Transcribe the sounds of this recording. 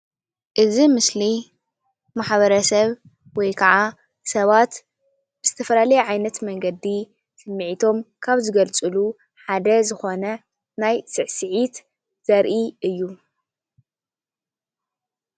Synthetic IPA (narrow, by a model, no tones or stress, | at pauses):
ʔɨzimɨsli | maħβɐɾɐsɐβ | wɔjkʰɐʕa | sɐβat̪ | b̥ɨz̥ɨt̪ʰɐfɐlalɐjɛʕajnɐt̪mɐŋɡɐd̪i | sɨmːiʕit̪ʰo̞mkʰaβzɨɡɐlt͡sʼɨlu | ħad̪ɐzɨxo̞nɐ | najsɨʕsɨʕit̪ | z̥ɐɾʔiʔɨjːu